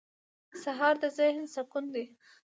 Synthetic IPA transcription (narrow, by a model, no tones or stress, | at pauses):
saɦɑɾd̪əzɪhnsakund̪e